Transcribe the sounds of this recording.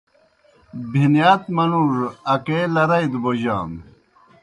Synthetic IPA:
bʱinjaːt̪mɐnuɾɐkeːlɐɾɐjd̪boʑaːm

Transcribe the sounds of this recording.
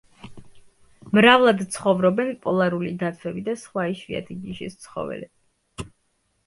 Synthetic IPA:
mɾavlˠad̪t̪sʰχɔvɾɔbɛnpʼɔlˠaɾulid̪at̪sʰɛbid̪asχwaiʃvia̰t̪ʰiɡiʃḭst̪sʰχɔ̰vɛ̰lɛ

